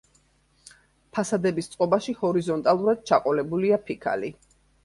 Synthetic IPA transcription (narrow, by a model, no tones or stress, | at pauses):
pʰasad̪ɛbist̪sʼqʼɔbaʃihɔɾizɔnt̪ʼalˠuɾad̪̥̚t͡ʃʰaqʼɔlɛbuliapʰikʰa̰li